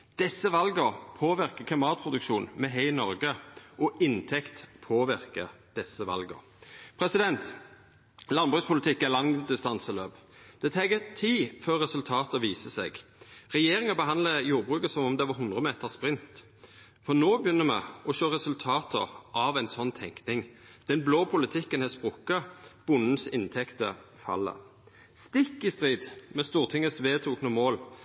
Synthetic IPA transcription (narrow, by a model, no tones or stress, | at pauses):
d̪̥ɛsːəʋɑlɡəʁpʰoːʋɪʁkəkʰlɪmɑːt̪̚pʰʁʊd̪ʉkʃuːnmɛɦɛɪnɔɾɡəʔɔɪnt̪ʰɛkt̪pʰoːʋɪʁkə | d̪̥ɛsəʋɑ̰lɡə̰ʁ | pʰɾɛsɪd̪ɛnt̪ | lɑnbʁʉːspʊlɪt̪ʰɪkːælɑŋd̪ɪst̪ɑnsəløːb | d̪̥ɛt̪ʰɛːɡəʁt̪ʰiːføːʁːɛsʉlt̪ʰɑːt̪əʋiːsəsɛ̰ɡʁɛjeːʁɪŋəbəɦɑnd̪ləjuːʁbʁʉːkəsɔmɔmd̪ɛʋɑɦʊnd̪ʁəmeːt̪əʁspʁɪnt̪ | fɔnoːbəjʏnːəmɛ̰ʔɔʃøːʁɛsʉlt̪ʰɑːt̪ʰəʔɑʋæɪnsɔnːt̪ʰɛ̰ŋknɪŋ | d̪̥ɛnbloːpʰʊlɪt̪ʰɪkːənhɛspʁʊkːɑb̥ʊnn̩sɪnt̪ʰɛkt̪ə̰ | fɑ̰lːə̰ʁ | st̪ɪkːɪst̪ʁiːd̪mɛst̪uːʁt̪ʰɪŋːəsʋeːt̪ʰuːknəmoːl